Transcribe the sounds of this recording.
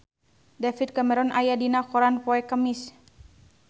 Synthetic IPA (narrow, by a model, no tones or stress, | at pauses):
dafit̪̚kamɛɾɔnʔajadinakɔɾanpɔɛkəmis